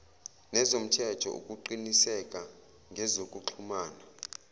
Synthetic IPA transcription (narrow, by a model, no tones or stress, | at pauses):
nɛzom̩tʰɛtʰɔ̰ʔṵkʼuǃinisɛkʼa | ŋɡʱɛzokʼuǃʰumaːna